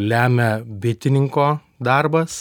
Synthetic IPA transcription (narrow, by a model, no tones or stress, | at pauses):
lʲæːmʲɛbʲɪt̪ʲɪnʲɪŋkoː | d̪ɑɾbɐs